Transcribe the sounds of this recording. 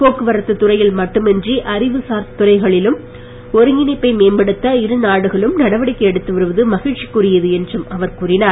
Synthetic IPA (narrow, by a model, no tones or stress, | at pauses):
poːkːɯʋɐɾɐt̪ːɯt̪ːʊrɐjɪlmɐʈːɯmɛndriʔɐɾɪʋɯsaːɾt̪ːʊrɐɪɣɐɭɪlɯm | ɔɾɯŋɪnɪpːɐɪmeːmbɐɽɯt̪ːɐɪɾɯnaːɽɯɣɐɭɯmnɐɽɐʋɐɽɪkːɐɛɽɯt̪ːɯʋɐɾɯʋɐðɯmɐɣɪɻt͡ʃikːurɪjɐðɯɛndrɯmɐʋɐɾkuːrɪnaː